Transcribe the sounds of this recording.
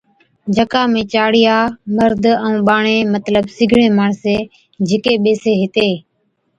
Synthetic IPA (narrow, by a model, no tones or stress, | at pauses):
d͡ʒʱəkaːmẽːt͡ʃaːɽɪjaːməɾd̪ʱə̃ːɓaːɳeːmət̪ləbsɪɡʱɳẽːmaːɳseː | d͡ʒɪkeːɓeːseːɦɪt̪eː